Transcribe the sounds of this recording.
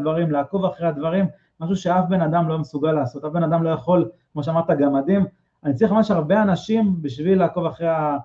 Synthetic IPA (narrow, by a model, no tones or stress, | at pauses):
vaʁimlaːko̞vaχʁead̪vaʁim | maʃ̬uʃe̞afbe̞nad̪amlo̞mesuɡalːaːso̞t̪afbenad̪amlo̞jaχo̞lkmo̞ʃeamaʁt̪aɡamad̪im | anit͡saʁiχmamaʃaʁbe̞anaʃimbiʃvilːaːko̞vaχʁeja